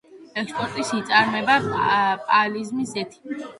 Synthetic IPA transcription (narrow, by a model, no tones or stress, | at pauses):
ɛkspʼɔɾt̪ʼisit̪sʼaɾmɛbapʼalizmisɛt̪ʰi̥kʼ